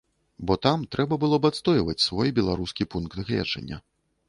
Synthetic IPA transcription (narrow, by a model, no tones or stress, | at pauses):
bɔt̪amt̪ɾɛbɐbɨlˠɔbat̪st̪ɔjvɐt͡sʲsvɔjbʲɛlˠaɾuskʲipunkd̪ɣlʲɛ̰d͡ʐɐ̰nʲːɐ̰